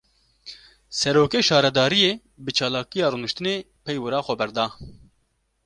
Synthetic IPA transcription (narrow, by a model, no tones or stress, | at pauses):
sɛɾoːkeːʃɑːɾɛd̪ɑːɾijeː | bɨt͡ʃʰɑːlɑːkijɑːɾunɨʃt̪ɨneː | pʰɛjwɨɾɑːxʷɛbɛɾd̪ɑː